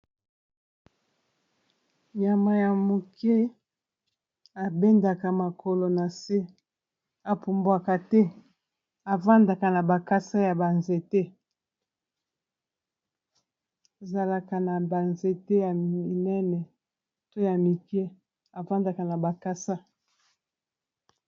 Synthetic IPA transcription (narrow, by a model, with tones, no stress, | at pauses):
ɲa˨ma˨ja˨mo˨kʰe˦ | a˨be˦nda˨ka˨ma˨kʰo˨lo˨na˨se˦ | a˨pu˨mbwa˨ka˨tɛ˦ | a˨va˦nda˨ka˨na˨ba˨ka˦sa˦ja˨ba˨nze˦te˦ | e˨za˨la˨ka˨na˨ba˨nze˦tɛ˦ja˨i˨nɛ˦nɛ˨ | to˦ja˨mi˨ke˦ | a˨va˦nda˨ka˨na˨ba˨ka˦sa˦